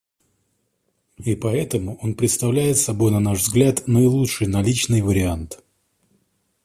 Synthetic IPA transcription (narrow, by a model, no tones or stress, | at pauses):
ipɐɛt̪əmʊʔo̞npɾʲɪt̪st̪ɐvlʲæjɪt̪sɐbo̞jnɐnaʐvzɡlʲat̪nəɪlˠutʂɨjnɐlʲit͡ɕnɨjvəɾʲɪant̪